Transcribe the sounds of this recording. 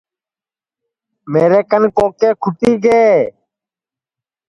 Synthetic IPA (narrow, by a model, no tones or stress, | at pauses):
meːɾeːkənkoːkeːkʰʊʈiːɡeː